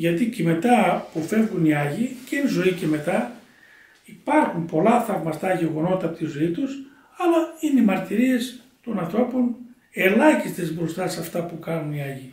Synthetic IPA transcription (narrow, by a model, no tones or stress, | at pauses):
ʝɐt̪iceme̞t̪ɐpufe̞vɣuniɐʝicenzo̞ice̞me̞t̪ɐ | ipɐɾxumpo̞lɐθɐvmɐst̪ɐʝe̞ɣo̞no̞t̪ɐpot̪izo̞it̪us | ɐlɐineimɐɾt̪iɾie̞s | t̪onɐ̃nθɾo̞pon | e̞lɐçist̪e̞zbɾo̞st̪ɐsɐft̪ɐpukɐnuniɐʝi